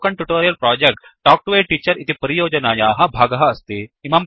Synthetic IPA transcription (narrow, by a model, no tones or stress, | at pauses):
kɐɳʈjuʈoːɾijɐlpɾɔːd͡ʒek̚ʈʈɔːk̚ʈuʋeːʈiːt͡ʃɐɾit̪ipɐɾijoːd͡ʒɐnaːjaːɦɐbʱaːɡɐɦɐɐst̪iimaːm